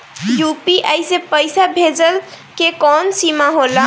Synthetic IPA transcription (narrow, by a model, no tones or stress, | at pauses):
jupiʔəjsepəjsabʱed͡ʒəl | kekɔnsimaɦola